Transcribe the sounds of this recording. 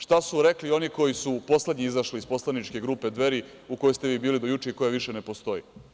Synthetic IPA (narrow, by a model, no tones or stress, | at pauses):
ʃt̪asuɾeklio̞niko̞jisupo̞sled̪ɲiizaʃliispo̞slˠanit͡ʃke̞ɡɾuːped̪ʋe̞ɾi | uko̞jost̪e̞ʋiːbiːlid̪o̞jut͡ʃeiko̞jaʋiʃene̞po̞st̪o̞ji